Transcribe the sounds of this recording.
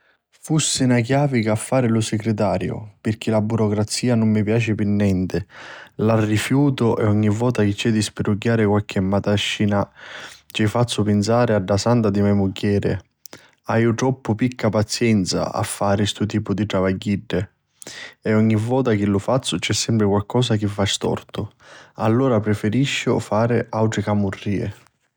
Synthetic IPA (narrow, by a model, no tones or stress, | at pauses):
fusːɪnakjaːvikafːaːɾɪlʊsɪkɾɪt̪̬aːɾjʊ̰pɪrk̟ʰilabuɾɔkɾat̪siːanʊmːɪpjaːt͡ʃɪpɪnːɛnt̪ɪlarːifjuːt̪ʊʔɛɔɲːivːɔːt̪ak̟ɪt͡ʃːɛd̪ːispɪruɟːaːɾɪkwalk̟ɛmːat̪aʃːinat͡ʃɛfat̪sːʊpɪnsaːɾɪaɖːasant̪ad̪imɛmuɟːɛːɾɪ̰ | ajʊt̪ɾɔpːʊpikʰːapat̪sjɛnt̪sa̰a̰fːaːɾɪst̪ut̪iːpʊd̪iʈ̪ɾavaɟːiɖːɪ | ɛɔɲːivːɔːt̪ak̟ɪlːʊfat̪sːʊt͡ʃɛsːɛmpɾɪkwalkɔːsak̟ɪfːast̪ɔ̰rt̪ʊalːɔːɾapɾɪfɪɾiʃːʊ̰faːɾɪʔawʈ̪ɾɪkamurːiːɪ̰